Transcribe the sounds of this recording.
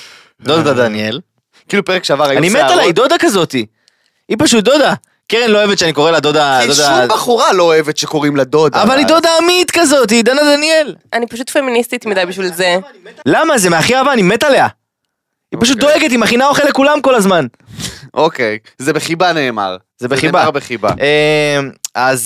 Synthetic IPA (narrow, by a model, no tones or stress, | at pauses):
d̪od̪adad̪anjel | kiːlupeʁekʃeavaʁajanimetalaid̪o̞d̪akazo̞t̪i | ipaʃut̚d̪o̞d̪a | keʁenlo̞oevt̪ʃeaniko̞ʁelad̪o̞dadodabaχuʁaloːevet̪ʃeko̞ʁimlad̪o̞d̪avalido̞d̪aːmit̪kazo̞t̬id̪anad̪anie̞lʔanipaʃ̬ut̪feminist̪it̪midajbiʃvilzelamazemeaχiavaːnimet̪alea | ippaʃ̬ut̪̚d̪o̞eɡet̪̬imaχinaoχelekulamko̞lazman | okejzebeχibane̞ːma̰ʁ | zebeχibabeχiba̰emaz